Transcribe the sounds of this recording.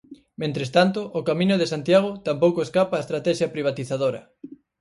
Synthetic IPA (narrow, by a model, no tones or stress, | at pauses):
mẽnt̪ɾest̪ant̪ʊʔːkamĩɲʊðesant̪jaɣ̞ot̪ampowkoeskapaːest̪ɾat̪ɛʃjɐpɾiβ̞at̪iθaðoɾɐ̰